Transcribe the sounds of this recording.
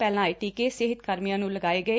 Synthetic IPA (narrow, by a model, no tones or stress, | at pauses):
pɛːlãːiʈiːkeːsɪɦɪt̪kəɾmijãːnũːləɡaːeːɡəeː